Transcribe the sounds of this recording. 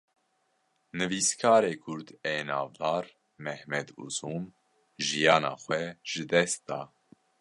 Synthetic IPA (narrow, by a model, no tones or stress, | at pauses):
nɨviːskʰɑːɾeːkʰʊɾd̪eːnɑːvd̪ɑːɾ | mɛhmɛd̪ṵsuːm | ʒijɑːnɑ̰ːxʷwɛʒ̥ɨd̪ɛst̪̚d̪ɑː